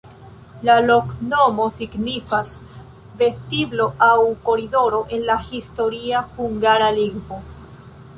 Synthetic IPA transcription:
lalo̞kno̞mo̞siɡnifas | ve̞stiblo̞ʔawko̞ɾido̞ɾo̞ʔe̞nlahisto̞ɾiahuŋɡaɾaliŋɡvo̞

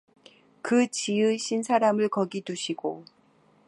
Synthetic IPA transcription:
kɯt͡ɕiɯɕʰinsʰaɾamɯɭkʌɡiduɕʰiɡo

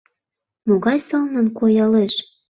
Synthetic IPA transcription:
moɣɑjsɤlnə̆nkojɑleʃ

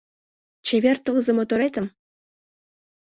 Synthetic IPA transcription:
t͡ʃevʲeɾt̪əʁəzəmot̪oɾɑjt̪əm

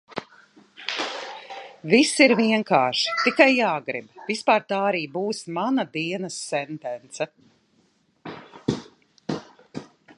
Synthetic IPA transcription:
visiɾviɛŋkaːʃi̥t̪ikajːaːɡɾḭbvispaːɾt̪aːaɾiːbuːsmanɐd̪iɛnɐsːɛnt̪ɛnt̪sɛ

